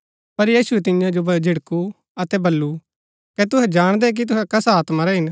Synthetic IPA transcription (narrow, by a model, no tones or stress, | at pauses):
pɐɾjiːsʊɛt̪ɪjãd͡ʒobɐd͡ʒʱɪɽku | ɐt̪ɛbɐlːu | kɛt̪ʊɦɛd͡ʒaːɽ̃d̪ɛk̬it̪̬ʊɦɛkɐsaːt̪maɾɛɦɪn